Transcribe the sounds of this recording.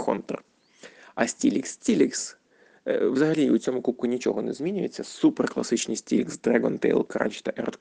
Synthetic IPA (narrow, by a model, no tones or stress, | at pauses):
xɔ̰nt̪ɛ̰r | ɐsʲtʲilʲiksʲtʲilʲiks | ʋzɐɦɐlʲiut͡sʲɔmʊkup̚kʊnʲit͡ʃɔ̰ɦɔnɛzʲmʲinʲʊjet͡sʲːɐsuperklˠɐ̰sɪt͡ʃnʲisʲtʲilʲiksd̪ɾaɡɔnt̪ḛjlˠkɾa̰nʲt͡ʃt̪ɐʔɛ̰rt̪